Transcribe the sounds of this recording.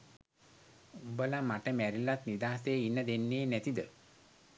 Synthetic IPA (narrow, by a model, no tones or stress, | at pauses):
ubəlamaʈəmæɾilat̪nid̪aːseinːəd̪enːeːnɛt̪id̪ə